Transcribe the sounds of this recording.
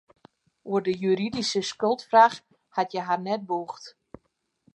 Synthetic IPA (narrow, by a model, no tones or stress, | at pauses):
uərdəjyɾidisəskɵlˠtfrax | hatjɛɦarnɛt̚buxt